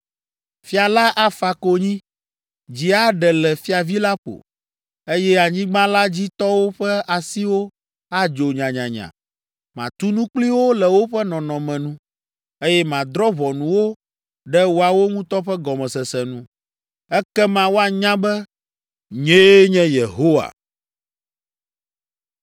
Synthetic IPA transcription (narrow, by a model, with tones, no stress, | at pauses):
fi˦a˨la˦ʔa˦fa˨ko˨ɲĩ˦ | d͡ʑi˨a˦ɖɛ˨lɛ˨fi˦a˨vi˦la˦ɸo̰˨ | e˦jɛ˦a˨ɲĩ˦ɡ͡bã˦la˦d͡ʑi˦t̪ɔ˦wo˦ɸɛ˦a˨si˦wo˦ | a˦d͡ʒo˨ɲã˨ɲã̰˨ɲã̰˨ | mã̰˨t̪u˦nũ˦k͡pli˦wo˦lɛ˨wo˦ɸɛ˦nɔ̃˨nɔ̃˨mɛ̃˨nũ˦ | e˦jɛ˦mã˨d̪ɾɔ˦βɔ˨nũ˨wo˦ | ɖɛ˦wo˦a˨wo˦ŋũ˦t̪ɔ˦ɸɛ˦ɡɔ˨mɛ̃˨sɛ˨sɛ˨nũ˦ | ɛ˦kɛ˦mã˦wo˦a˨ɲã˦bɛ˦ | ɲe˦ɲɛ̃˦je˨ɦo˦wa̰˨